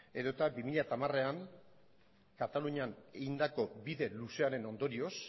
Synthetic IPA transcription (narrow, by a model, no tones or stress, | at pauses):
e̞ðo̞t̪abimiʎat̪amare̞aŋ | kat̪aluɲane̞ɣind̪ako̞biðe̞luse̞aɾe̞no̞nd̪o̞ɾio̞s